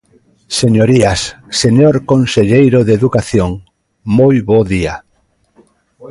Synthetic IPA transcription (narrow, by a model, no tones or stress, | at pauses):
seɲoɾias | seɲoɾkonseʎejɾoðeðukaθjoŋ | mojβoðia